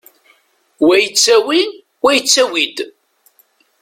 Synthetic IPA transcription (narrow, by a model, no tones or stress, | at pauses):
wæjət͡sːæwi | wæjət͡sːæwid̪